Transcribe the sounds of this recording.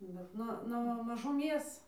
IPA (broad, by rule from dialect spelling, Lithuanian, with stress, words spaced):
bʲɛt ˈnʊ nuɔ mɐʒʊˈmʲeːs